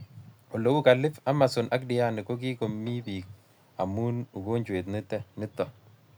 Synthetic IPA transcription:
ɔ˨lo˨wu˦ka˨lɪ˦fa˦ma˨sʊ˨nʔa˦kdɪ˨ja˦nɪ˨ko˦k̬i˦ko˨mːi˦biː˨k̚ | a˨mu˦nu˨ko˦ɲt͡ʃwe˨t̪nɪ˦tːɛ˦nɪ˦tːɔ˨

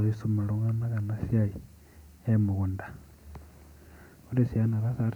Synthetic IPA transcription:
isu˦ma˨ɺo˦ŋa˦na˦ka˨na˦sja˦i˨ | emu˨ɣu˨ndḁ˨ | u˦ɾe˨sia˦na˨ɾa˦sa˨ɾ

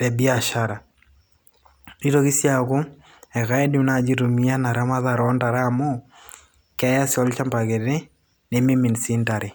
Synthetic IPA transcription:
tɛ˨bi˦a˨ʃa˦ɾa˨ | di˦to˦ki˦sja˦kʊ˦ | ɛ˨ka˦ɛ˦di˦na˨d͡ʒi˦ɾu˨mi˦a˦na˨ɾa˦ma˦ða˨ɾɔ˦nda˨ɾa˦˨mʊ˦ | kɛ˦ja˦sjɔ˦lt͡ʃa˦mpa˨ke˨ɾe˦ | ne˦mi˦mi˨nsi˦nta˨ɾɪ˨

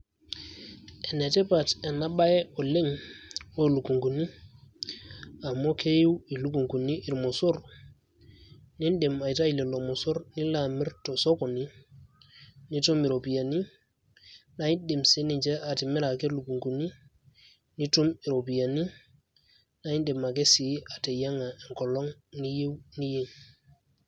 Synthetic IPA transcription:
e˨ne˨tɛ˦pa˨te˨na˦ɓa˦jɛ˦ɔ˨le˦ŋwo˦˨lu˨ku˨ŋku˨ni˦ | a˨mo˦ke˦ju˦wi˨lu˦ku˨ŋku˨ni˦ʔi˨ɾmo˨so˦ɾ | ni˦nde˨ma˨jta˦i˨le˨lo˨mɔ˨so˦ɾni˦la˨mi˦ɾto˨sɔ˦kɔ˨ni˦ | ni˦tu˦mi˨ɾo˨pi˨ja˨ni˦ | na˦i˦de˨mse˦ni˨ɲt͡ʃe˦ʔa˨ti˨mi˦ɾa˨ke˦lu˨ku˨ŋku˨ni˦ | ni˦tu˦mi˨ɾo˨pi˨ja˨ni˦ | na˦i˦nde˨ma˨ke˦si˨a˨te˨ja˦ŋa˨e˨ŋkɔ˨lɔ˦ŋni˦je˦wni˦je˦ɲ

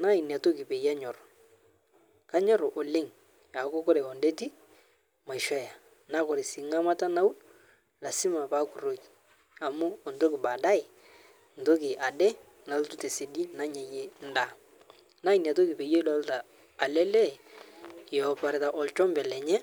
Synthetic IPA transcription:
na˦i˨n˨a˨to˦ki˨pe˨ja˦ɲɔ˨ɾɔ˨ | ka˦ɲɔ˦ɾo˨ʔɔ˨le˦ŋ | a˨˦kɔ˦kɔ˦ɾe˨ɔ˨nde˦ti˦ | ma˨jʃɔ˦ja˨ | na˦kɔ˨ɾe˨si˨ŋa˦ma˦ta˦na˦u˦ | la˨si˦ma˨pa˦ku˨ɾo˨˦ki̥˨ | a˨mu˦ɔ˨nto˦kɪ˨ba˨da˦ɪ˨ | n̩˨to˦k̬ɪ˨ʔa˨dɛ˦ | na˨ltu˦te˨se˨di˦na˦ɲa˨je˦n̩˦da˦˨ | na˦i˨n˨a˨to˦ki˨pe˨je˦lɔ˦ltaː˨ | lɛ˦lɛ˦˨ | ɔ˨pa˨ɾɪ˨ta˨ʔɔ˨lt͡ʃɔ˦mbɛ˨lɛ˨ɲɛ˦

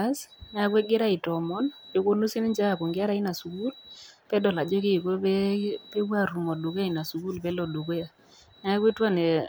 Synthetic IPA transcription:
a˦sn˦a˦kwe˦ɡɪ˦ɾa˦ɪ˨tɔ˨mɔ˦nd͡ʒo˦ko˦nu˦si˦n˦nd͡ʒa˦a˨ko˨ŋɡɪ˦a˦ɾa˨ɪ˦na˨su˨ku˦lpɛ˦dɔ˨la˨d͡ʒɔ˦kɪ˦˨ko˦ɛ˦pe˦wa˦˨ɾu˨ŋɔ˨du˨k̬a˦˨ɪ˨na˨su˨ku˦lpɛ˦lɔ˨du˨k̬e˦a˨ | n˦a˦ke˦twa˦ne˨

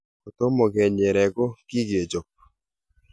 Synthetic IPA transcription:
o˨t̪o˦mɔ˨ɡɛ˨ɲɛ˨ɾɛ˨ɡo˦ki˦ɡe˨d͡ʒo˨p̚

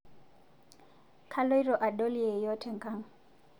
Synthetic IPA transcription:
kʰa˦lo˦i˦ɾɔ˨ʔa˨ɗo˦li˦ɛ˨jɔ˦tʰɛ˨ŋ˨kʼa˦ŋ̩˨

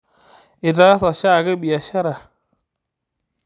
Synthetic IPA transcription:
ɪ˨ta˨˦a˦sa˨ʃa˦˨ɡə˦ɓi˨a˨ʃa˦ɾa˨

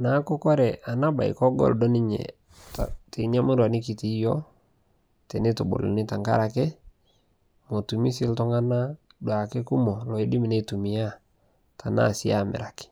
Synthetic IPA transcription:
na˨˦ko˦kɔ˦ɾɛ˨ʔa˨na˦ba˨ḭ˨kɔ˦ɡɔ̰˨ldɔ˦nɪ˦ɲɛ̰˨ | ta̰˨te˨ɲa˦mu˦ɾwa˨nɪ˦ki˨ti˨˦jɔ˦ | tɛ˨ne˦to˨bo̰˨lo̰˨nɪ˦ta˨ŋka̰˦ɾa˨ke˦ | mo˨tu˨mi˦si˦ltɔ˦ŋa˦na˦ | dwa˨ke˦ku˦mɔ˨lɔ˨i˦dɪ˦mi˨ne˦˨tu˨mi˨a˦ | ta˨na̰˦˨si˦a˦˨mɪ̰˨ɾa˨kɪ̥˨

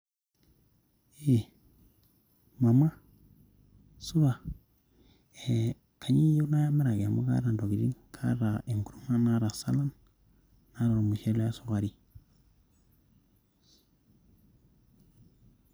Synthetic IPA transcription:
e˨ | ma˨ma˦ | su˦ɾa˨ | e˨ | kʰa˨ɲi˦jo˦na˦ja˦me˦ɾa˨ɡe˨mu˦ka̰˦ɾa˨ndo˨ɡi˨ɾḭ˦nkʰa̰˦ɾa˨e˨ŋku˨ɾu˦ŋa˦na˦ɾa˨sa˦la˦nː | a˦ɾa˨ɾo˨mu˨ʃe˦le˦a˦su˦ka˨ɾi˦

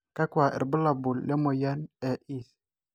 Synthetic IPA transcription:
ka˦kwa˨ʔḛ˨ɾbə˦la˨bu˨lːe˦mo˨ja˦nɛ˨ʔi˦˨s

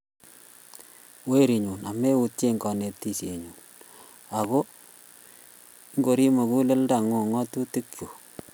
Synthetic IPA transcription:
we˦ɾi˨ɲu˨na˨me˦u˨tje˦ŋɡɔ˨ne˨p̚ti˦sje˨ɲuː˨n | a˨ko˦ | ŋɡo˨ɾi˦mo˨ku˦le˦lda˨ŋo˨ŋɔ˦tu˦ti˦kju˨

